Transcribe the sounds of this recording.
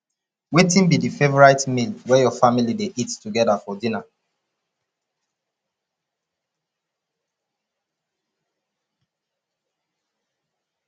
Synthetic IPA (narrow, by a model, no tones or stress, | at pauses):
wetĩnbidifevɔɹaɪtmilwɛjɔfamilideʔittuɡɛdafɔdĩna